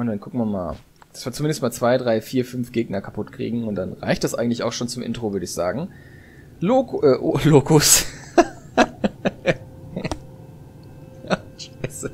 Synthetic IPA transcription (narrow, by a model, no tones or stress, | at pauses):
ʊnd̥ankʰʊk̚tmama̰ːl | d̥ḁsv̥aːɐt͡sumɪndəst̚maːlt͡sv̥aɪdʁaɪfiːɐfʏnfɡ̥eːɡnɐkʰapʰʊtkʁ̥ḭːɡŋ̩ʊnt̚d̥anʁa̰ɪçt̚d̥asʔa̰ɪɡŋ̩tlɪçaʊxʃoːnt͡sʊmʔɪ̰ntʁ̥ovʏɐdəɪçz̥aːɡŋ̩ | loʔɛʔloːkʊs | aʃaɪsə